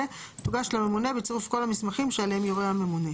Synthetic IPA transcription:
e | tuɡaʃlame̞mune̞bet͡seʁufkolamismaχimʃealeemjoʁehame̞mune

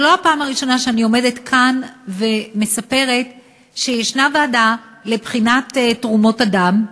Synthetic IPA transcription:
lo̞apaːmaʁiʃo̞naʃeanio̞me̞detkʰanve̞me̞sape̞ʁe̞t | ʃejeʃnavaːda | lebχinatetʁumo̞tadam

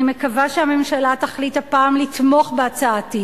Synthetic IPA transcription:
ime̞kavaʃeame̞mʃalat̪aχlithapaːmlitmo̞χbeat͡saati

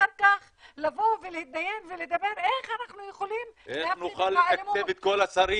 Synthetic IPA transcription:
aɾkaχ | lavo̞velehit̪̚naje̞nveled̪abe̞ɾe̞χanaχnujeχolimʔenuχalːekaevet̪̚ko̞lasaɾi

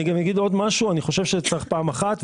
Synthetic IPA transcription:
iɡamjaɡid̪o̞d̪maʃuaniχo̞ʃevʃet͡saχpaːmaχat̪v

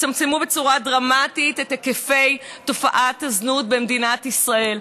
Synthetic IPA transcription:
tamt͡semube̞t͡suʁadʁamatitetːekefe̞jto̞faʔataznut̚bemdinatisʁae̞l

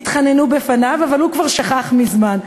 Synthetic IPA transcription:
t̪χanenubefanavavalhukvaʁʃaχaχmizman

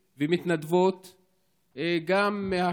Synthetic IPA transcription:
vemit̪nad̪vot̪ | ɡameha

